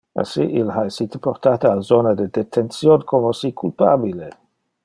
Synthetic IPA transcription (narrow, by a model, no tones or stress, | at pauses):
a̰sḭʔilˠhajsitʰə̥pʰɔrtʰataːzɔnadədɛtʰɛnsjɔdkʰɔmɔsikʰulˠpʰabile